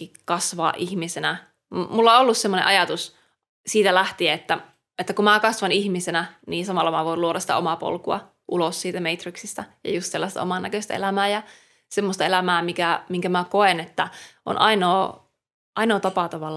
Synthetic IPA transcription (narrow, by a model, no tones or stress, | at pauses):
ikɑsʋɑ̰ːʔihmisenæ | mulːɑolːussemːonḛʔɑjɑt̪us | siːt̪ælæht̪iæet̪ːæ | et̪ːækumækɑsʋɑnihmisenæniːnsɑmɑlːɑmæʋoiluoɾɑsit̪omɑpo̰lkuɑ̰ | ʔulossiːt̪æmeit̪riksist̪æjɑ̰just̪selːɑst̪ɑ̰o̰mɑnːækøsʲt̪æ̰ḛlæmæːjɑ | semːost̪ɑelæmæːmikæmiŋkæmækoenet̪ːæʔo̰nʔɑinoː | ʔɑinoːt̪ɑpɑt̪ɑʋɑl